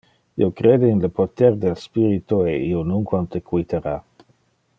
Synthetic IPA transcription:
ḭokɾeːd̪einlepot̪ɛrd̪elspiɾit̪oeionuŋkwant̪ekwit̪ʰeɾa

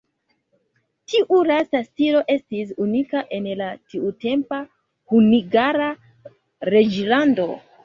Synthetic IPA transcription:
tiʔuɾasastiɾo̞ʔe̞stis̬unikaʔe̞nlatiute̞mpa | huniɡaɾa | ɾe̞d͡ʒlando̞

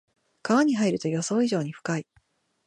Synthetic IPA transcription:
kaβaɲ̟iɦaiɾɯ̟t̪o̞jo̞so̞ːiʑo̞ːɲ̟iɸɯ̟̥kai

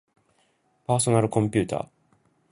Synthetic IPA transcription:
paːso̞naɾɯ̟kõ̞mpʲɨ̟ːt̪a̰ː

